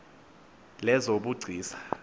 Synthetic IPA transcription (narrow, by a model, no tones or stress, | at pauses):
lɛzoɓuɡ͡ǀʱiːsḁ